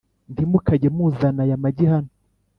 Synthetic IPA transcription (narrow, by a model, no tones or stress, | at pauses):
ndimukaɟemuzanajamaɟihano